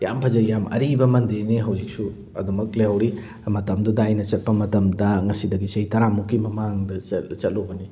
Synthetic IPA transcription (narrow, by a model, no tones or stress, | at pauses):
jampʰɐzɐjamʔɐ̰ɾibɐmɐndiniɦɐwd͡ʒik̚su | ɐ̰dumɐk̚lejawɾi | mɐtɐmdudɐːjnɐt͡ʃɐt̚pɐmɐtɐmdɐŋɐsidɐɡit͡ʃɐitɐɾamukːimɐmaŋdɐɐt͡ʃɐt̚lobɐni